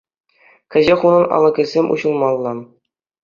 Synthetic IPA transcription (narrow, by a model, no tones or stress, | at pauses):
kʲɘ̆ʑeχunɤ̆nɑ̰lˠɤ̆ɡʲɘ̆lʲzʲemʲʔṵʑɤ̆lˠmɑlˠːɑ